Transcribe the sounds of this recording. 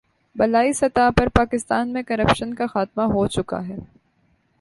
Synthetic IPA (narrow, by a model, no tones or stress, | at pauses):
bɐlaːisɐt̪aːpɐɾpaːkɪst̪aːnmẽkɐɾɐpʃənkaxaːt̪maɦot͡ʃʊka̰ɦɛː